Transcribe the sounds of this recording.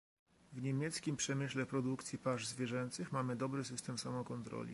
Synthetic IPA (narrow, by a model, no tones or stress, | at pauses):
vɲemʲjɛt̪skʲimpʂɛmɘɕlɛpɾɔd̪ukt̪sʲjipaʐzvʲjɛʐɛnt̪sɘxmamɘd̪ɔbɾɘs̬ɘst̪ɛmsamɔkɔnt̪ɾɔ̰lʲḭ